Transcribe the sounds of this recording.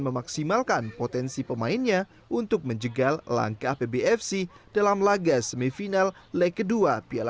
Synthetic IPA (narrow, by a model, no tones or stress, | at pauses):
nməmaksimalkanpot̪ɛnsipəmaɪnɲa | ʔunt̪ʊk̚məɲd͡ʒəɡalla̰ŋkahpebeɛfsid̥alamlaɡasəmifinallɛkəduapiala